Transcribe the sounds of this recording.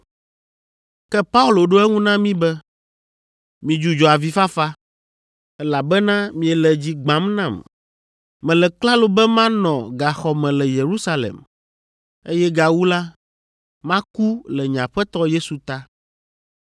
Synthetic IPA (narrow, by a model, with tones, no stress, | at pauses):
kɛ˦pa˦u˦lo˨ɖo˦ɛ˦ŋũ˦nã˦mĩ˦bɛ˦ | mĩ˨d͡ʒu˦d͡ʒɔ˨a˨vi˨fa˦fa˦ | ɛ˦la˨bɛ˦nã˦mĩ˨ɛ˨lɛ˨d͡ʑi˦ɡ͡bã˨˦mnã˦˨m | mɛ̃˨lɛ˨kla˦lo˨bɛ˦mã˦nɔ̃˨ɡa˨xɔ˨mɛ̃˨lɛ˨je˨ɾu˦sa˦lɛ̰˨m | e˦jɛ˦ɡa˨wu˦la˦ | mã˦ku˦lɛ˨ɲã˨ɸɛ˦t̪ɔ˦je˦su˨t̪a˦